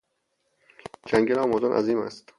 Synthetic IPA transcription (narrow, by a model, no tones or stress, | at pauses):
d͡ʒæŋɡelɒːmɒːd̪ɒnʔæ̰ziːmæ̰st̪